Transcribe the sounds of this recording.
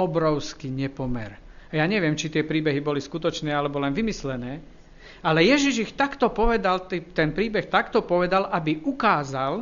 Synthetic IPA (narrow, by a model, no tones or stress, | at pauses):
ɔbɾɔʊskiɲɛpɔmɛ̰ɾ | ajaɲɛʋɪɛmt͡ʃit̪ɪɛpɾiːbɛɦibɔliskut̪ɔt͡ʃnɛːalɛbɔlɛnʋimislɛnɛː | alɛjɛʒiʒixt̪akt̪ɔpɔʋɛd̪alt̪it̪ɛnpɾiːbɛxt̪akt̪ɔpɔʋɛd̪alʔabiʔukaːzal